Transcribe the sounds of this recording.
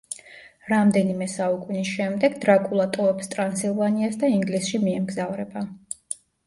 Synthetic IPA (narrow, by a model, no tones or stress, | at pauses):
ɾamd̪ɛnimɛsaukʼunisʃɛmd̪ɛɡd̪ɾakʼulˠat̪ʼɔvɛpst̪ʼɾansilˠvaniasd̪aiŋɡlisʃimiɛmɡzavɾɛba